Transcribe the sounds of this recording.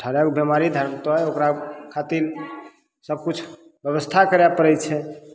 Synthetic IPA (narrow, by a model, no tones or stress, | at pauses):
ʈʰəɾakbɛmaɾid̪ʱəɾmt̪ɔɦjokɾakʰat̪iɾ | səb̚ʱkut͡ʃʰ | bjəβəst̪ʰakəɾjapəɾɛt͡ʃʰɛ